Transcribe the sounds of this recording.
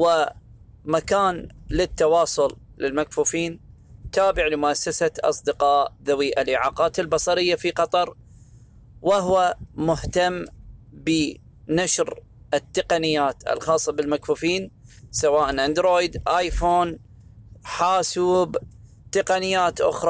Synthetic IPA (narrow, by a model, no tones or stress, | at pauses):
wɪ | makaːnlɪt̪ːɑwɑːsˤʊl | lɪlmakfuːfiːn | t̪aːbɪʕlɪmʊʔasːasaʔɑ̰sˤd̪ɪqɑːʔðawiːʔalʔɪʕaːqɑːt̪ɪlbɑsˤɑɾɪjːafiqɑt̪ˤɑɾˤ | wɪɦwamʊht̪amːbi | naʃɾ | ʔɪt̪ːɪqanɪjːaːt̪ʔɪ̰lxɑːsˤːɑbɪlmakfuːfiːnsawaːʔnʔand̪ɾoːjd̪ʔaːjfoːn | ħaːsuːb | t̪ɪqanɪjːaːt̪ʔʊ̰xɾˤɑ